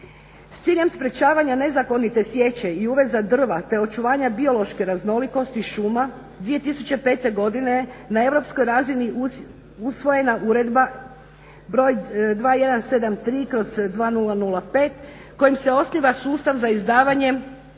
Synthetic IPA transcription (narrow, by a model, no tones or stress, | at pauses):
st̪siːʎe̞mspɾe̞t͡ɕaːʋaɲane̞zako̞nit̪e̞sʋje̞t͡ɕe̞iuːʋe̞zad̪r̩ʋat̪e̞o̞t͡ʃuʋaːɲabio̞lo̞ʃke̞ɾazno̞liko̞st̪iʃuːma | d̪ʋije̞t̪isut͡ɕe̞pe̞ːt̪e̞ɡo̞d̪inenae̞ʋɾo̞psko̞jɾaːzini | usʋo̞je̞naʔuɾe̞d̪ba | bɾo̞ːjd̪ʋaːje̞d̪anse̞d̪amt̪ɾiːkɾo̞zd̪ʋaːnulanulˠape̞ːt̪ | ko̞jimse̞o̞sniʋasuːst̪aʋzaizd̪aːʋaɲe̞